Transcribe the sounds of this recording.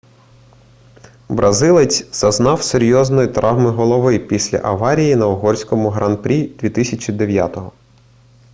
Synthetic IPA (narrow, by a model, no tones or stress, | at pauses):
bɾʔɐzɪlˠet͡sʲz̥ɐznɑwseɾʲjɔznɔjit̪ɾʔɑwmɪɦɔlˠɔʋɪpʲisʲlʲɐ̰ʔɐʋɑɾʲijinɐɔɦɔrʲsʲkɔmʊɦɾɑnpɾʲid̪ʲʋʲit̪ɪsʲɐt͡ʃʲid̪eʋʲja̰t̪ɔɦɔ